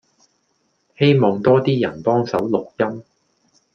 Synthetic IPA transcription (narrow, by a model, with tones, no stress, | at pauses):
he˥jmɔː˨ŋt̪ɔː˥t̪iː˥jɐ˨˩npɔː˥ŋsɐ˨˥wlʊ˨k̚jɐ˥m